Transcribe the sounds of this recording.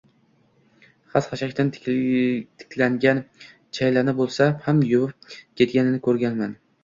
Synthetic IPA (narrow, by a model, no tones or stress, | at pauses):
χasχaʃakʲt̪an | t̪ʰɪ̥kʲʰlaŋɡʲan | t͡ʃʰajlanɪbolˠsahamjʊwʊp̚kʲʰe̞t̪̚ɡʲanɪnɪkʰɵɾɡʲanman